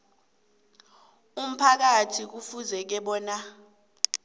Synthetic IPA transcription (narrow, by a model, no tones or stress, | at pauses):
um̩pʰak̬atʰik̬ufuzɛk̬ɛɓɔːna